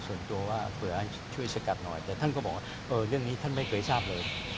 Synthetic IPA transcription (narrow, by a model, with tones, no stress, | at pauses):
su˨˩ənt̪u˧əwaː˥˩pʰɯ˨˩˦ɐʔa˧˩ | t͡ɕʰu˥˩əjsa˧ka˨˩t̪̚nɔ̰˨˩jt̪ɛː˨˩t̪ʰa˥˨nkɔː˥˩bɔː˨˩˦waː˩˥˩ | ʔɤː˧ɾɯ˥˩əŋniː˦˥t̪ʰa˥˩nma˥˩jkʰɤː˧jsaː˥˩p̚lɤː˧j